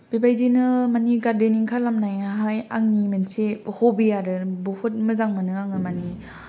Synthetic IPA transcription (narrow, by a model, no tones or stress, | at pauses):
b̥ibajzinɯmaniɡaɾdeniŋkʰalamnajaɦajaŋnimensehobijaɾɯbohut̚mɯzaŋmanɯaŋɯmani